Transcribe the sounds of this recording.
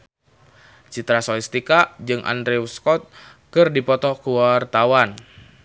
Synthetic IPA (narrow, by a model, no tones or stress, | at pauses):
t͡ʃit̪ɾasɔist̪ikad͡ʒɨŋʔa̰ndɾɛuskɔt̪̚ | kɨrdipɔt̪ɔkuwart̪awan